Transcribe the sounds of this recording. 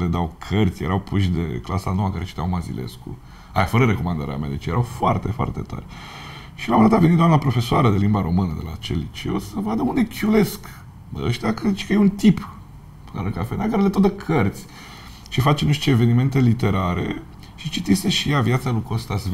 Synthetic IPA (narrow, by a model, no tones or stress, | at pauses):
led̪awkʰərt̪sʲjeɾawpuʃd̪e̞̰klasa̰no̞wakaɾe̞t͡ʃi̥t̪ʲa̰wmazḭle̞̰skṵ | a̰jafəɾəɾeko̞mand̪a̰ɾḛa̰mʲa̰d̪et͡ʃjeɾawfoa̰rt̪efoa̰rt̪et̪a̰rʲ | ʃilamɾat̪avenit̪d̪oamnapɾo̞fe̞soaɾəd̪e̞limbaɾo̞mɨnəd̪ela̰t͡ʃḛlːit͡ʃḛo̰səvad̪əund̪ekʰʲule̞sk | əʃt̪akəit͡ʃkəjeunt̪ip | ə̰ɾəkafenakaɾelet̪od̪əkʰərt̪sʲ | ʃifat͡ʃeniʃt͡ʃ̪eːve̞nime̞nt̪e̞lit̪e̞ɾaɾe̞̰ | ʃit͡ʃit̪iseʃijavjat̪salukost̪as